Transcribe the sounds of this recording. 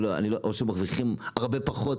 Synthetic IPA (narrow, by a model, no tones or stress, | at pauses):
loa̰niloʔoʃemaχviχimaʁbe̞paχot̪